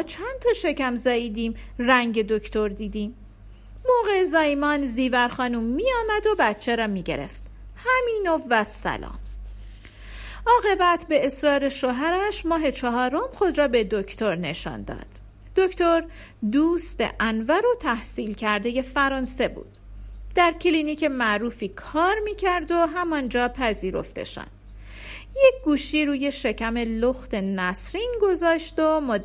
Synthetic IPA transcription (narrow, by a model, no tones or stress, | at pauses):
ɒːt͡ʃʰænt̪ʰɒːʃe̞cæmzɒːiːd̪iːmræŋɟe̞d̪okʰt̪ʰoɾd̪iːd̪iːm | moːɣeezæːjmɒːnziːvæɾxɒːnuːmːiːjɒːmæd̪obætt͡ʃʰːeɾɒːmiːɟe̞̰ɾe̞̰ft̪ | hæmiːnovæsæ̰lɒ̰ːm | ɒːɣe̞bæt̪ʰbe̞ːsɾɒːɾe̞ʃoɦæɾæʃmɒːɦe̞t͡ʃʰɒɦɒːɾomxo̞d̪ɾɒːbed̪oct̪ʰo̞ɾne̞ʃɒ̰ːnd̪ɒ̰ːd̪̥ː | oct̪oɾ | d̪uːst̪ḛʔænvæɾo̞t̪ʰæhsiːlcʰæɾd̪e̞je̞fæɾɒːnse̞bṵːd̪̥d̪̥æɾcʰliːnicʰemæʔɾuːfiːkʰɒːɾmiːcʰæɾd̪o̞ɦæmɒnd͡ʒɒːpʰæziːɾo̞̰ft̪e̞̰ʃæ̰nd̪ | jec̚ɡuːʃiːɾuːje̞ʃe̞cʰæme̞loxt̪e̞næsɾinɡo̞zɒːʃd̪omo